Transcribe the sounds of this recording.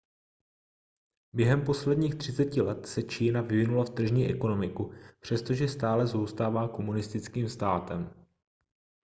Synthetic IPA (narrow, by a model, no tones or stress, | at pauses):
bjɛɦɛmpo̞slɛdɲiːxt̪r̥ɪt͡sɛcɪlɛt̪sɛt͡ʃiːnavɪvɪnulaft̪r̩ʒɲiːʔɛko̞no̞mɪkupr̝̥ɛst̪o̞ʒɛst̪aːlɛzowst̪aːvaːko̞munɪst̪ɪt͡skiːmst̪aːt̪ɛm